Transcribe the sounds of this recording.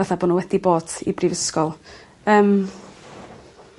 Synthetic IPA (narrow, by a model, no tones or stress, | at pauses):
ɛθaboːdnunwɛdiboːd̥ḭbrivəskɔlˠ | əːm